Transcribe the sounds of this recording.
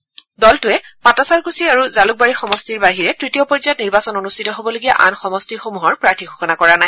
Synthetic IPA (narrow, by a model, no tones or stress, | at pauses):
dɔltʊɛpatasaɹkusiaɹuzaluk̚baɹixɔmɔstiɹbaɦiɹɛtɹitiɔpɔzajɔtniɹbasɔnonustʰitɔɦobɔloɡija̰ʔa̰nxɔmɔstixomuɦɔɹpɹaɹtʰiɡʱoxɔnakɔɹanaj